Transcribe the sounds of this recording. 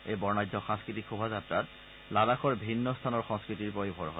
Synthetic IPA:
ejbɔɹnajzɔxãŋskɹitikʰxubʱazatɹat | lalaxʰɔɹbʱinːɔst̪ʰanɔɹxɔ̃ŋskɹitiɹpɔibʱɔɹɦɔ

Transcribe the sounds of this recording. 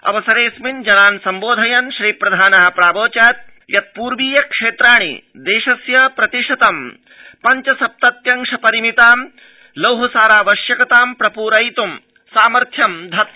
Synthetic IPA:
ɐ̰ʋɐsɐɾeːsmind͡ʒɐnaːnsɐmboːd̪ʱɐjɐnʃɾiːpɾɐd̪ʱaːnɐɦɐ̆pɾaːboːt͡ʃaːt̪̚ | jɐt̪̚puːɾʋiːjɐkʂeːt̪ɾaːɳ̃ḭ | d̪eːʃɐsjɐpɾɐt̪iʂɐt̪ɐm | pɐɲt͡ʃɐsɐp̚t̪ɐt̪jɐŋʂɐpɐɾimit̪aːm | lɐwɦɐsaːɾaːʋɐʃjɐkɐt̪aːmpɾɐpuːɾɐjt̪um | saːmɐɾt̪ʰjɐmd̪ʱɐt̪̚

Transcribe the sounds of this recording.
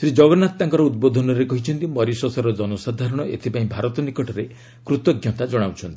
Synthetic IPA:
sɾid͡ʒɔɡɔnat̪ːaŋkɔɾɔud̪̚bod̪ʱɔnɔɾekɔɦit͡ʃʰɔnt̪imɔɾisɔsaɾɔd͡ʒɔnosad̪ʱaɾɔɽ̃ɔʔet̪ʰipaĩbʱaɾɔt̪ɔnikɔʈɔɾe | kɾut̪ɔɡjɔt̪ad͡ʒɔɽ̃awt͡ʃʰɔnt̪i̥

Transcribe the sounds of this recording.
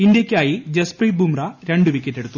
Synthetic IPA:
ind̪jɐkʲːaːjid͡ʑespriːbʱumrɐɾe̞ɳɖɨʋikʲːetːe̞ɽut̪ːu

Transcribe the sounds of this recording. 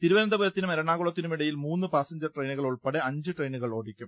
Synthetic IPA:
t̪iɾuʋɐɾɐnd̪ɐbuɾɐt̪ːinumɐɾɐɳːaːɣuɭɐt̪ːinumiɽɐjilmuːnːɨpaːsɐɲd͡ʑɐrʈrejnuɣɐɭuɭpɐɽeɐɲd͡ʑɨʈrejnuɣɐɭoːɽikʲːum

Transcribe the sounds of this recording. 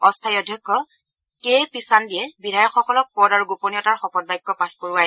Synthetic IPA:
ɔstʰajɔdʱjɔkʰːɔ | kepisandijɛbidʱajɔkxɔkɔlɔk̚pɔdaɹuɡoponiɔtaɹxɔpɔt̚bajkːɔpatʰkoɹʊwajɛ

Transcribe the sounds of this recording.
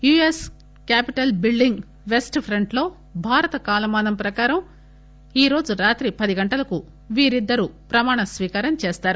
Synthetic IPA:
juːes | kaːpiʈɐlbilɖiŋɡ | ʋe̞sʈpʰɾɐɳʈlo̞ː | bʱaːɾɐt̪ɐkaːlɐmaːnɐmpɾɐkaːɾɐm | iːɾo̞ːd͡ʒuɾaːt̪ɾipɐd̪iɡɐɳʈɐlɐku | ʋiːɾid̪ːɐɾupɾɐmaːɳɐsʋiːkaːɾɐnt͡ʃeːst̪aːɾu

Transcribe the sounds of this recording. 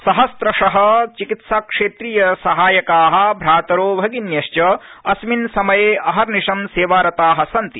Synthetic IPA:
sɐɦɐst̪ɾɐʂɐɦɐ̆t͡ʃikit̪saːkʂeːt̪ɾiːjɐsɐɦaːjɐkaːɦɐ̆bʱɾaːt̪ɐɾoːbʱɐɡinjɐʃt͡ʃɐɐsminsɐmɐjeːʔɐɦɐɾniʂɐmseːʋaːɾɐt̪aːɦɐ̆sɐnt̪i

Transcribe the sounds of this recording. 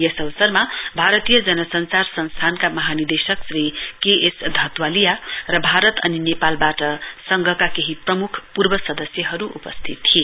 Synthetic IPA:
jʌsʌwsʌrmabʱaɾʌt̪ijʌd͡zʌnʌsʌnt͡sarsʌnst̪ʰankamʌɦanird̪esʌksrikeʔesd̪ʱʌt̪walijarʌbʱaɾʌt̪ʌ̰ninepalbaʈʌsʌŋɡʱʌkakeɦiprʌmukʰpurbʌsʌd̪ʌsjʌɦʌɾuʔupʌstt̪ʰit̪ːʰie

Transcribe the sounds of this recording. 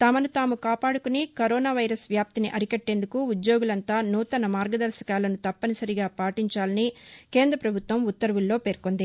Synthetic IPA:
t̪ɐmɐnut̪aːmukaːpaːɽukunikɐɾoːnaːʋɐjɾɐsʋjaːp̚t̪iniʔɐɾikɐʈːeːnd̪ukuud̪jo̞ːɡulɐnt̪aːnuːt̪ɐnɐmaːɾɡɐd̪ɐɾʃɐ̥kaːlɐnut̪ɐpːɐnisɐɾiɡaːpaːʈiɲt͡ʃaːlɐnike̞ːnd̪ɾɐpɾɐbʱut̪ʋɐmut̪ːɐɾɐʋulːo̞ːpeːɾkond̪i

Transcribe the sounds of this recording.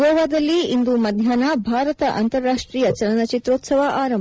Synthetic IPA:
ɔːʋaːd̪ɐlːiind̪umɐd̪ʱjaːnɐbʱaːɾɐt̪ɐʔa̰nt̪ɐɾːaːʂʈɾiːjɐt͡ʃɐlɐnɐt͡ʃit̪ɾoːt̪sɐʋɐʔaːɾɐm

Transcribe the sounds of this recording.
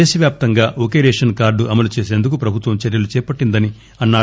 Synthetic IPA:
eːsɐʋjaːp̚t̪ɐŋɡaːʔokeːɾeːʂɐnkaːɾɖuʔɐmɐlut͡ʃeːseːnd̪uk̬upɾɐbʱut̪ʋɐmt͡ʃɛɾjɐlut͡ʃɛːpɐʈːind̪ɐni | ɐnːaː

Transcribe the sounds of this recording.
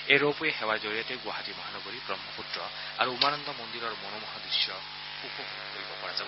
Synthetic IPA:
eɾowpɔeɦewad͡ʒɔɾijat̪eɡwaɦatimɔɦanɔɡɔɾipɾɔmːɔpuʈɾɔ | aɾuumanɔnd̪ɔmɔnd̪iɾɔɾɔmɔnomɔɦad̪ɾisjɔ | upɔkukʰkoɾibɔpɔɾad͡ʒab

